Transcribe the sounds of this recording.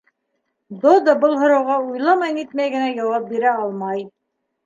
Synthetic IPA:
d̪od̪ɑbɤlˠɦŏɾɑwʁɑujlˠɑmɑjnit̪mæjɡɘ̆næjɑwɑp̚biɾæɑlˠmɑj

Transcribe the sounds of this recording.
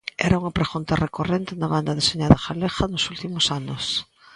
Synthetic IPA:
ɛ̰ɾauŋɐpɾexunt̪ɐrekorent̪ɪnaβand̪ɐðeseɲaðɐxalexanosult̪imosanʊs

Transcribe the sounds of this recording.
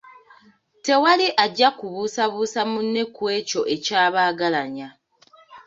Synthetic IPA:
te̞waliʔaɟːakuβuːsaβuːsamunːekwe̞ːco̞ʔe̞caːβaːɡalaɲa

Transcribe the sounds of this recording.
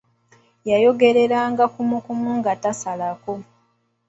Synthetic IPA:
jajo̞ɡe̞ɾe̞ɾaːŋɡakumukumuŋɡatasalako̞

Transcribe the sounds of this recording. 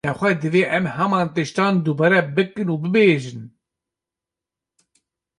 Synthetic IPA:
ɛxʷɛd̪ɨveːʔɛmhɛmɑːnt̪ɨʃt̪ɑːnd̪uːbɑːɾɛbɨkɨnuːbɨbeːʒɨn

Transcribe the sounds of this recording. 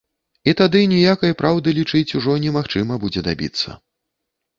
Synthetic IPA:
it̪ad̪ɨnʲɛjakɐjpɾawd̪ɨlʲit͡ʂɨt͡sʲuʐɔnʲɛmaxt͡ʂɨmɐbud͡zʲɛd̪a̰bʲḭt̪sːɐ̰

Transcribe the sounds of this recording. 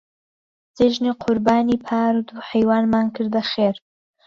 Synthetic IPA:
z̥eʒniqʰʊɾbaːniːpʰaːɾd̪uħejwaːnmaːnkʰɨɾd̪ɐxeːɾ

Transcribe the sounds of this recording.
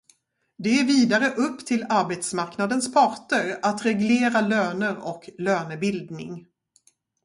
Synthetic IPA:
d̪ɛæɾviːd̪aɾəʔɵpːt̪ʰɪlaɾbet̪smaɾknad̪ənspʰɑɾʈəɾat̪ɾɛɡleːɾaløːnəɾɔkløːnəbɪld̪nɪ̰ŋ

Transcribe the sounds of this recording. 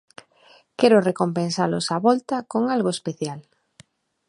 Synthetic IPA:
kɛɾʊrekompẽnsalʊsaβɔlt̪akoŋalɣoespeθjal

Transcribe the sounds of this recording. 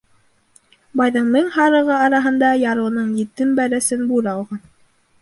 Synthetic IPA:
bɑjðɤɴmɘŋhɑɾɤ̆ʁɤɑɾɑɦɤ̆nd̪ɑjɑɾɤ̆wnɤɴjɘ̆t̪ɘmbæɾæsɘnbuɾɑlˠʁɑn

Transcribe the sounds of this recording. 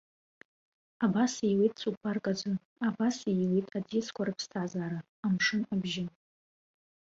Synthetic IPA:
abasijwejtʼt͡sʰʼupʰarkʼad͡zɨ | abasijwijtʼad͡ziskʷʰarɨpʰstʰazaːɾaːmʂɨnabʒɪ

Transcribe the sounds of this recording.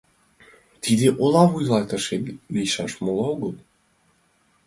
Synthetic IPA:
t̪ʰid̪eʔolɑβujlɑt̪əʃet̪lijʃɑʃmolɑoɣəlˠ

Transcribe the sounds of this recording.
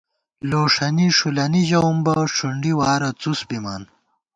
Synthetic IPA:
loːʂɐniʂulɐniʑɐwmbɐʂuɳɖiwaːɾɐt͡susbimaːn

